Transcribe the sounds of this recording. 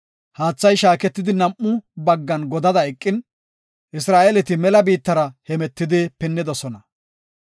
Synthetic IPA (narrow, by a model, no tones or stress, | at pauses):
haːt͡sːɐjʃaːkɛt̪ːɪd̪ɪnɐmʔːʊbɐɡːɐnɡɔd̪ɐd̪ɐɛkʼːɪn | ʔɪsɾaːʔelɛt̪ɪmɛlɐbiːt̪ːɐɾɐhɛmɛt̪ːɪd̪ɪpɛnːɪd̪ɔsɔnɐ